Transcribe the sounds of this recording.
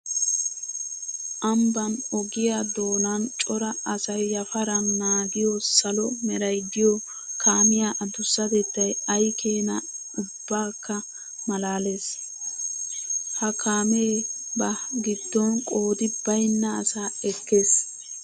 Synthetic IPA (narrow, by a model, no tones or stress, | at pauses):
ʔɐmbɐnɔɡɪjad̪o̞ːnɐnt͡ʃʼɔɾɐɐsɐjːɐfɐɾɐnnaːɡɪjɔsɐlɔmɛɾɐjd̪ɪjɔ | kʰaːmɪjaːʔɐd̪ʊsːɐd̪ɛd̪ːɐjɐjkʰeːnɐ | ʊbːaːkːɐ | mɐlaːle̞ːs | hɐkʰaːmebɐɡɪd̪ːɔnkʼo̞ːd̪ɪbɐjnːɐːsaːɛkːeːs